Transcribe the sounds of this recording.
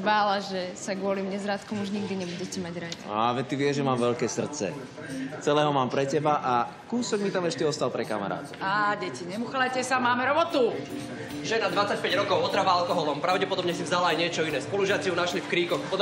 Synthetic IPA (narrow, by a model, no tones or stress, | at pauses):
baːlaʒɛsaɡʊɔlimɲɛzɾaːt̪kɔmuʒɲiɡd̪iɲɛbuɟɛcɛmaɟɾataʋɛt̪iʋɪɛʒɛmaːmʋɛʎkɛːsr̩t̪t͡sɛ̰ | t͡sɛlɛːɦɔmaːmpɾɛcɛbaʔa | kuːsɔɡmit̪amɛʃcɛɔst̪alpɾɛka̰ma̰ɾa̰ːt̪ɔaːɟɛciɲɛmuxalajcɛsamaːmɛɾɔbɔt̪u | ʒɛnad̪ʋat͡sːac̚pɛɟɾɔkɔʊɔt̪ɾavalkɔɦɔlɔmpɾaʊɟɛpɔd̪ɔbɲɛsivzalaajɲɪɛt͡ʃɔinɛːspɔluʒɪat͡siunaʃlifkɾiːkɔxpɔ